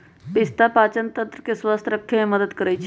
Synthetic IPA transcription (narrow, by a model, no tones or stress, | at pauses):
pɪst̪apaːt͡ʃənt̪ə̃nt̪ɾəkeswast̪ʰɾəkʰːemẽməd̪əd̪kəɾəjt͡ʃʰ